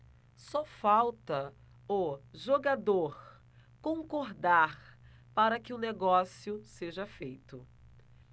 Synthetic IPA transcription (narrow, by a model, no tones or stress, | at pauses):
sɔfawt̪ɐ | oʒoɡad̪oɾ | kõkoɾd̪aɾ | paɾɐkɪʊneɡɔsjʊseʒɐfejt̪ʊ